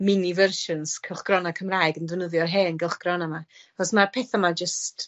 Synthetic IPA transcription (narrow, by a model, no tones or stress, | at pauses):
mɪnivərʃənskʰəlˠχɡ̥rɔnakʰəmrajɡəndwənəðjɔrɦeːənɡɛlˠχɡ̥rɔnamaaχɔsmarpʰeːθamad͡ʒəst